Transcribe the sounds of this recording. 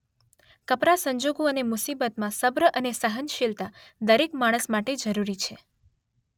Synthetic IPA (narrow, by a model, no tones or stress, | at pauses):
kəpɾasəɲd͡ʒoɡoənemusibət̪mãsəbɾəʔənesəɦənʃilt̪ad̪əɾekmaɽ̃əsmaʈed͡ʒəɾuɾit͡ʃʰe